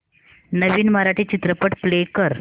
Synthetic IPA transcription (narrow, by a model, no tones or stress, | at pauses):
nəʋiːnməɾaʈiːt͡ɕit̪ɾəpəʈplekəɾ